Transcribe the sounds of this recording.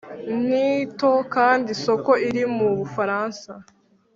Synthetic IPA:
nito̞kaːndiso̞ko̞iɾimuβufaɾaːnsa

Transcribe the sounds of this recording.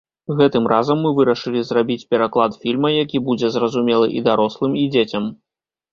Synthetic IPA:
ɣɛt̪ɨmrʔazɐmːɨvɨɾɐʂɨlʲizrabʲit͡sʲpʲɛɾaklˠat̪fʲilʲmɐjakʲibud͡zʲɛzrɐzumʲɛlˠɨ̰ʔid̪aɾɔslˠɨmid͡zʲet͡sʲɐm

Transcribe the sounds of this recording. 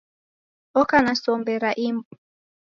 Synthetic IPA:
ɔkanasɔmbɛɾaʔimbu

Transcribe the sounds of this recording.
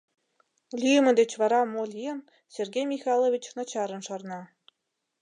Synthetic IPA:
lʲiə̆mɘ̆d̪et͡ɕvɑɾɑmolʲiə̆n | sʲerɡʲejmʲixɑlˠovʲit͡ɕnɑt͡ɕɑɾə̆nʃɑrnɑ

